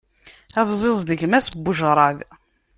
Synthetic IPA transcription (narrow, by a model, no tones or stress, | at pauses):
ævzˤezˤðəʝmæsbːʊʒɾˤɑð